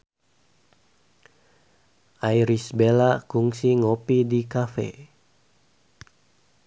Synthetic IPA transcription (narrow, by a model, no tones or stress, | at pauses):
ʔajɾisbelakuŋsiŋopidikafḛ